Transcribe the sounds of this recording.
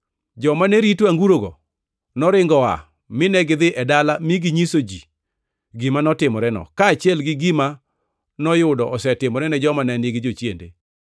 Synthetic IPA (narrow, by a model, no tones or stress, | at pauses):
d͡ʒɔmanɛɾitwaŋɡuɾoɡɔ̰ | nɔɾɪŋɡɔa̰ | mɪnɛɡɪd̪ɪʔɛdalamiɡiɲisod͡ʒi | ɡimanɔtɪmɔɾɛnɔ̰kaːt͡ʃɪɛlɡɪɡima | nɔjʊdɔʔɔsɛtɪmɔɾɛnɛd͡ʒɔmanɛnɪɡɪd͡ʒot͡ʃjḛndḛ